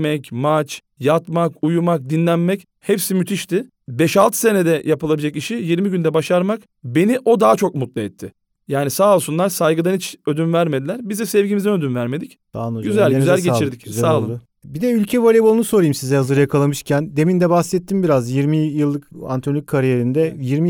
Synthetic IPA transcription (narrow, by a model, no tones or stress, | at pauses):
mɛcmat͡ʃ | jat̪makujumak̚d̪inlʲænmɛc | hɛpsimyt̪ʰiʃt̪ʰɪ | bɛʃalˠt̪ʰɯ̥se̞ned̪ɛjapɯlˠabild͡ʒaciʃijiɾmiɟynd̪ɛbaʃaɾmak | be̞niʔo̞d̪aːt͡ʃʰo̞k̚mut̪̚lˠaɛt̪ʰːɪ | jaːnisaːlˠsunlˠaɾsajɡɯd̪anit͡ʃød̪ynvæɾme̞d̪ilʲæɾbizd̪ɛsɛvɟimizɛnød̪ynvæɾme̞d̪ic | d̪̥anɟyzælʲzælʲɟet͡ʃʰiɾd̪iczsaːlˠɯ | bid̪ɛylʲcʰɛvolʲebolˠunuso̞ɾajɯmsizɛhazɯɾjakʰalˠamɯʃcʰænd̪e̞mind̪ɛbaxsɛt̪ʰːimbiɾazjiɾmijɯlˠːɯka̰nt̪ʰnlʲykʰːaɾijeɾind̪ɛjiɾmi